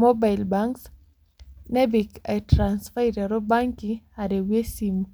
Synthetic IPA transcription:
mobajlbaŋks | nebikatɾansfajɾaɾobaŋkiaɾewesim

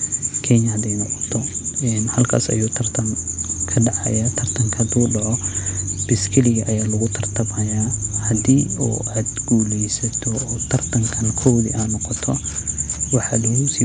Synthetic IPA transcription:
kʰɛnɐhɐd̪ɛjnɔqɔ̥t̪ʰɔɛnhɐlkʰa̰ːsɐ̰juːt̪ʰɐrt̪ʰɐnkʰɐɖɑʕɑ̰jɐt̪ʰɐrt̪ʰɐŋkʰɐd̪uːɖɐʕɔb̥ɪskʰɪlɪɣɐʔɐjaːlɐɣʊt̪ʰɐrt̪ʰɐmhɐjaːhɐd̪iːṵːʔad̪ɡuːlɛjsɐt̪ʰɔːt̪ʰɐrt̪ʰɐŋkʰɐnɐkʰɔwðḭʔanɔqɔt̪ʰɔ | wɑħɑlɛʊsiː

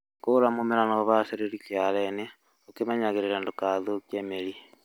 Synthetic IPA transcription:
koɾamomeɾanoβaseɾeɾikjaɾɛne | okemaɲaɣeɾeɾandokaðokjemeɾi

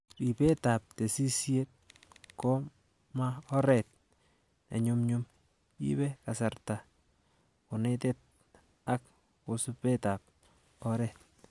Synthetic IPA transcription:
ripetap̚tesisjet̚kɔ | maɔɾɛt̚ | ḛɲumɲum | ḭbɛkasarta | konɛtet̚ | ak | kosupɛtap̚ | ɔɾɛt̚

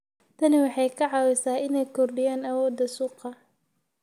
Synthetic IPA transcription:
t̪ʰɐnɪwɑħɑjkʰɐʕɑwɪsaːʔɪnɛjkʰɔrɖɪjaːnɐwɔːd̪ɐsuːqɑ

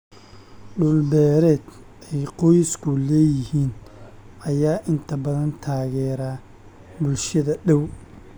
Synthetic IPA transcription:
ɖʊlbɛːɾɛːd̪ | ɛjqɔjɪskʰʊlɛːjɪhiːn | ɐjaːʔɪnt̪ʰɐbɐðɐnt̪ʰaːɣɛːɾaː | bʊlʃɐðɐɗɛw

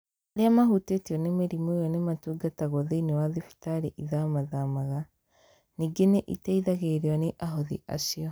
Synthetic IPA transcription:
aɾeamaɦutetiɔnemeɾimojɔnematuːɡataɣɔðeinewaðifi̥taɾeʔiðamaðamaɣa | niːɡeneʔḭtaiðaɣeɾeaneʔaɦɔðḭʔa̰siɔ

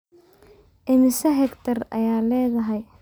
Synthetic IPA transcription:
ʔɪmɪsɐɦɛkt̪ʰɐrɐ̰jaːlɛːðɐɦɛj

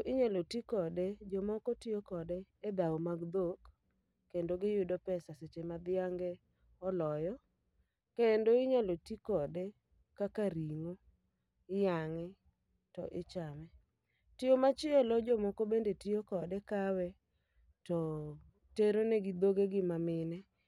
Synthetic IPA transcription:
ʔɪɲalotikɔded͡ʒomɔkotiokɔdeːd̪aomaɡd̪okː | endoɡɪjʊdɔpɛsaset͡ʃemad̪ɪaŋɡɛ | ɔlɔjɔ | kendoɪɲalotikɔde | kakaɾiŋo | ɪjaŋɪ | tɔ̰ʔɪt͡ʃamɛ | tɪomat͡ʃɪɛlɔd͡ʒomɔkobendetiokɔdɛkawɛ | tɔ | teɾoneɡɪd̪oɡeɡɪmamɪnɛ

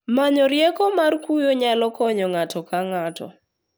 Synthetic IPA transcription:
maɲɔɾjɛkɔmarkujoɲalɔkɔɲɔŋatɔkaŋatɔ̰

